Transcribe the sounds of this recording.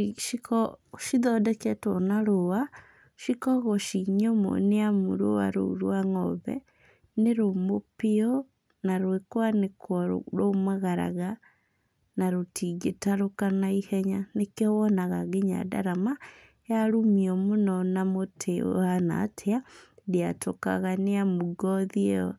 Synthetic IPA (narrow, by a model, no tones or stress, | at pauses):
ʃikɔʃiðɔdɛkɛtɔnaɾowa | ʃikɔɣɔʃiɲɔmo̰neamṵɾo̰a̰ɾo̰ɾwaŋɔβɛ̰ | neɾomopiɔ | naɾwekwanekwɔɾ̰ɾomaɣaɾa̰ɣa | naɾotiɡetaɾokanaihɛɲanekeɔwɔnaɣaɡeɲa̰da̰ɾama | jaɾumiɔmonɔnamotʰeo̰ana̰tʰeadeatoka̰ɣaneamuɡɔðiɛɔ